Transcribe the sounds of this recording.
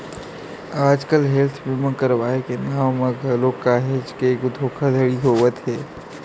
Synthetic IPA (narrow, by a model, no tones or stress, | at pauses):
aːd͡ʒkəlɦelt̪ʰmɪmə̃kəɾʋaːekenaːmmẽɡʱəlokːaɦed͡ʒkeːkd̪ʱoːkʰad̪ʱəɽiɦoːʋət̪ɦɛː